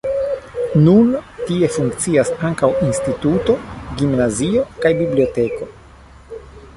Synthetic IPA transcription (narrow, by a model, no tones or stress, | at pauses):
nuntie̞fuŋkt͡siasaŋkawinstituto̞ɡimnazio̞kajbiblio̞te̞ko̞